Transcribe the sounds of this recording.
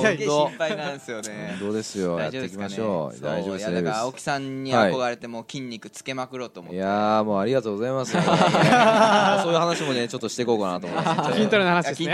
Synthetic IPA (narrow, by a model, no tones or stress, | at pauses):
opainãɰ̃sɨjo̞nẽd̪o̞ːd̪e̞sɨjoja̰t̪ːeikʲimaɕo̞ːd̪a̰izoːbebokʲi̥sãɲːiaiko̞ɡaɾe̞t̪e̞mo̞ːkʲĩɲʲːikɯ̟t͡sɨ̥ke̞makɯ̟ɾo̞ːt̪o̞ːmoj̪amoːaɾʲiɡat̪o̞ːɡo̞zaimasɨ | soːjɯ̟hanaɕimo̞net͡ɕo̞t̪ːoɕi̥t̪eko̞ːkanat̪omommkĩnt̪aɾɯnahanaɕidesi